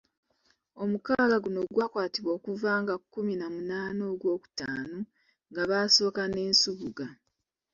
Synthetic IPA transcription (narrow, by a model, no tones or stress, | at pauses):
o̞mukaalaɡuno̞ɡwaːkwaːtiβo̞ːkuvaːŋɡakːuminamunaːno̞ːɡwo̞ːku̥taːno | ŋɡaβaːso̞ːkane̞ːnsuβuɡa